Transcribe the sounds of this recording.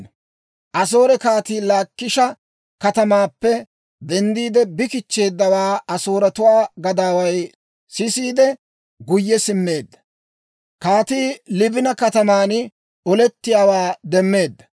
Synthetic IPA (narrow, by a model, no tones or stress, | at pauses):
ʔɐs̬o̞ːɾɛkaːt̪iːlaːkːɪʃɐ | kɐt̪ɐmaːpːɛ | d̪ɛnd̪iːd̪ɛbɪkɪt͡ʃːe̞ːd̪ːɐwaːɐsoːɾɐt̪ʊwaːɡɐd̪aːwɐj | sɪsiːd̪ɛ | ɡʊjːɛsɪmːe̞ːd̪ːɐ̥ | kaːt̪iːlɪbɪnɐkɐt̪ɐmaːn | ɔlɛt̪ːɪjaːwaːd̪ɛmːe̞ːd̪ːɐ̥